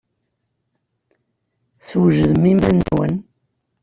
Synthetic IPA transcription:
swʒəðmimænwə̰n

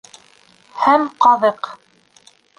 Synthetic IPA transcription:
hæmqɑðɤq

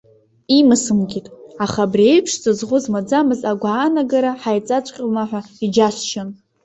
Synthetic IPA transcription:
imɨsɨmɡʲitʼaχabriejpʰʂzɨzʁʷʊzmad͡zamɨzaɡʷaːnaɡaɾaħajt͡sʼat͡ʃʷʼqʲʼamaħʷᶣaid͡ʒasʃɪn

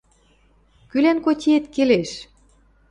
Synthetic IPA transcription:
kylænkotʲiet̪keleʃ

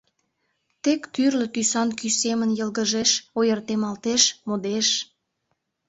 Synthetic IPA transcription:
t̪ekt̪yrlət̪ysɑnkysemənjəlɣəʒeʃojərt̪emɑlt̪eʃmod̪eʃ

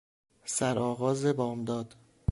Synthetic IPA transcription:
sæɾɒːɣɒːzebɒːmd̪ɒːd̪̥

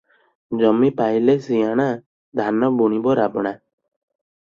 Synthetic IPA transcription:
d͡ʒɔmipajlesijaɽ̃a | d̪ʱanɔbuɽ̃ibɔɾabɔɽ̃a

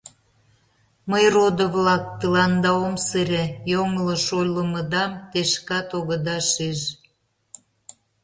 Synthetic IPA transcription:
məjrod̪ovlɑk̚t̪əlɑnd̪ɑomsəɾʲejoŋləʃojlə̆məd̪ɑmt̪eʃkɑt̪oɣəd̪ɑʃeʃ

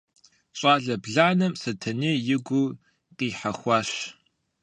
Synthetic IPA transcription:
ɕʼaːɮɐbɮaːnɐmsɐtʰɐneːjɪɡʷu | qʼiːħaxʷɑːɕ

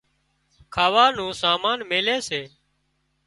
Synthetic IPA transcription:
kʰaːʋaːnũːsaːmaːnmeːleːseː

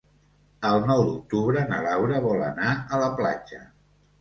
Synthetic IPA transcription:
əlˠnɔwd̪uk̚t̪uβɾənə̰lawɾəβɔlə̰naələpla̰d͡ʒə

